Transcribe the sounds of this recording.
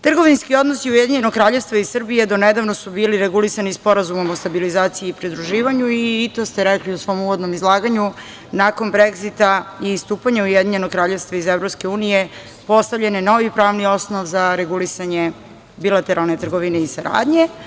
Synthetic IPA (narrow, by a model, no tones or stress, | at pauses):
t̪r̩ɡo̞ʋinskio̞d̪nosiujed̪iɲe̞noɡkɾaːʎefst̪ʋaisr̩bijed̪oned̪aʋno̞subiːliɾeɡulisanispo̞ɾazumo̞most̪abilizaːt̪sijiːpɾid̪ɾuʒiːʋaɲuit̪o̞ːst̪e̞ɾekliusʋo̞muʋo̞d̪no̞mizlˠaːɡaɲu | nako̞nbɾeɡzit̪aiːst̪uːpaɲaujed̪iɲe̞noɡkɾaːʎe̞ʋst̪ʋaizevɾopske̞uːnije̞ | po̞st̪avʎe̞neno̞ʋipɾaːʋnio̞sno̞ʋzaɾe̞ɡulisaɲe̞ | bilˠat̪e̞ɾalˠne̞t̪r̩ɡo̞ʋine̞isaɾa̰ːd̪ɲe̞